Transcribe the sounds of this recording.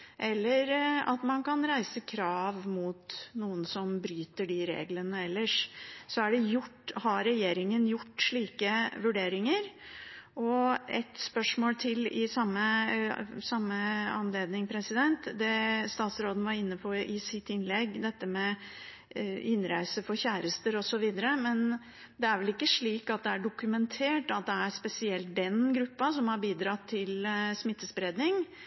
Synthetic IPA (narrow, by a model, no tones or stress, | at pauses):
ʔɛlːəɾɑ̰t̪mɑnkɑnɾæɪsəkʰɾɑːʋmʊt̪nuːənsɔmbɾyːt̪əɖɪɾḛːɡlənəɛlːəʂsɔæɖɛjʊʈːhɑɾɛjeːɾɪŋənjʊʈːʂɭiːkəʋʉɖeːɾɪŋəɾʔɔɛt̪spœʂmoːlt̪ʰɪlɪsɑmːə | sɑmːəɑ̰nleːd̪nɪŋpʰɾɛsɪd̪ɛnt̪d̪ɛst̪ɑːt̪sɾoːd̪ən̩əʋɑɾɪnːəpʰɔɪsɪt̪ːɪnlɛɡːd̪ɛt̪ːəmɛ | ɪnɾæɪsəfɔɾçæːɾəst̪əɾɔsɔʋiːd̪əɾəmɛn | d̪ɛæɾʋɛlɪkːəʂɭiːkɑt̪̚d̪ɛæɖʊkʉmɛnt̪ʰeːʈɑt̪̚d̪ɛæɾspɛsɪɛlt̪̚d̪ɛnɡɾʉpːɑsɔmhɑɾbiːd̪ɾɑt̪ʰːɪlsmɪt̪ːəsbɾeːd̪nɪŋ